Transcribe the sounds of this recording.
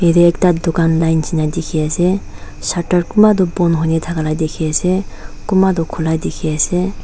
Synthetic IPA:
ɦeɾeːk̚tad̪ukanlajnsinadekʰiase | sataɾkumad̪ɔbɔnɦɔnet̪ʰaɡalajdekʰiasekumad̪ɔkʰulajdekʰiase

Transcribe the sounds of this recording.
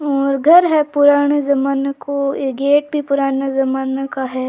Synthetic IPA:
ɔːɾɡʱɐɾɦɛpʊɾaːɽ̃ezɐmaːnkoeɡeːʈ̚bʱipʊɾaːnezɐmaːnakaɦɛː

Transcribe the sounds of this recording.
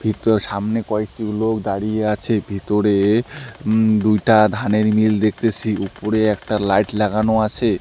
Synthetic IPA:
bʱit̪oɾʃamnekɔekʈiklokd̪aɽijeat͡ɕʰebʱit̪oɾe | d̪ujʈad̪ʱaneɾmild̪ek̚ʰt̪et͡ɕʰiupoɾeɛk̚ʈalajʈlɛɡanoat͡ɕʰe

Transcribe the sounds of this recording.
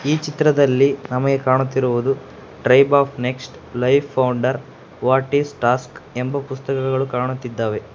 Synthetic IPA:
iːt͡ʃit̪ɾɐd̪ɐlːinɐmɐɡe̞kaːɳut̪ːiɾuʋud̪u | ʈɾɐjbaːpʰne̞ksʈ | lɐjpʰːɐwɳɖɐɾ | ʋaːʈiːsʈaːske̞mbɐpust̪ɐkɐkɐɡɐɭukaːɳut̪ːid̪ːaːʋe̞

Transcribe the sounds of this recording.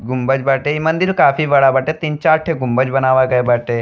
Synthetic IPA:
ɡʊmbəd͡ʒbɐʈeimɐ̃nd̪iɾukaːfʰiʋɐɽabɐʈet̪iːnt͡ʃaːɾʈʰeɡʊmbəd͡ʒbɐnaːʋaɡɐebɐʈeː

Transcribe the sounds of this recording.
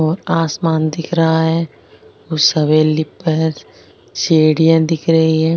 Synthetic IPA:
ɔːɾaːsmaːnd̪ɪkʰɾɐɦaɦɛ | ʊsɐʋelɪpːəɾ | seːɽijãd̪ɪkʰɾɐɦiɦɛː

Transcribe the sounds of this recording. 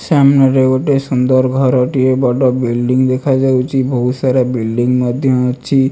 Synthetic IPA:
samnaɾeʋoʈesund̪əɾɡʱɔɾɔʈiebɔʈɔbilɖiŋɡd̪ekʰad͡ʒawt͡ʃʰibʱɔɦusaɾabilɖiŋɡməd̪ʱjɔt͡ʃʰi

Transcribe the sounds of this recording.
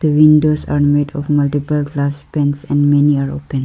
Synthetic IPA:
d̪̥əʋɪ̃nɖoːsaːɾmeːɖɔ̰fmʌlʈipəlɡlaspɛ̃nsɛ̃nɖmɛniaːɾo̰ːpə̃n

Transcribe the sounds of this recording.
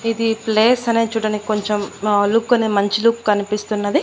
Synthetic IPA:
id̪ipleːsɐne̞ːt͡ʃuːɽɐnikiko̞ɲt͡ʃemlukːɐnemɐɲt͡ʃiluːkkɐnipist̪unːɐd̪i

